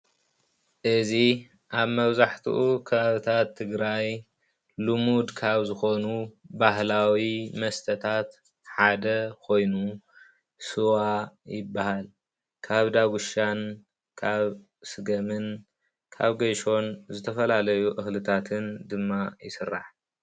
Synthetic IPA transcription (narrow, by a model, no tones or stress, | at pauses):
ʔɨzi | ʔaβmɐβzaħt̪ʰṵʔukʰɐβaβɨt̪ʰat̪ʰːɨɡɾaj | lumud̪kʰaβzɨxo̞nubaɦlawimɐst̪ʰɐt̪ʰat̪ | ħad̪ɐkʰo̞jnu | sɨwajɪbːahal | kʰaβd̪aɡuʃan | kʰaβ | sɨɡɐmɨn | kʰa̰βɡɐjʃo̞nzɨt̪ʰɐfɐlalɐjuʔɨxlɨt̪ʰat̪ʰɨnd̪ɨmːajɪsɨrːa̰ħ